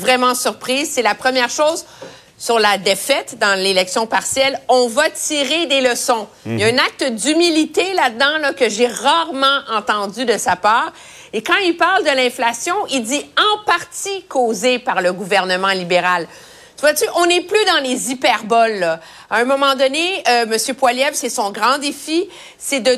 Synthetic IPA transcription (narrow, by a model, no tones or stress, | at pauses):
vʁɛmɑ̃syʁpχiːzsɛlapχəmjɛːʁʃoːz | syʁlad̪efɛt̪d̪ɑ̃lelɛksjɔ̃paʁsjɛlɔ̃vat̪iʁed̪eləsɔ̃jaɛ̃nak̚t̪d̪ymilit̪elad̪ɑ̃lʌkəʒeʁaʁmɑ̃ʔɑ̃t̪ɑ̃d̪zyd̪əsapaːʁ | ekɑ̃ilpaʁld̪əlɛ̃flasjɔ̃ʔild̪iɑ̃paʁt̪ikʰoːzepaʁləɡuvɛʁnəmɑ̃libeʁal | t̪vwat̪yʔɔ̃nɛplyd̪ɑ̃lezipɛʁbɔlːɔ | aɛ̃mɔmɑ̃d̪ɔneəməsjøpwaljɛvsɛsɔ̃ɡʁɑ̃d̪efi | sɛd̪ə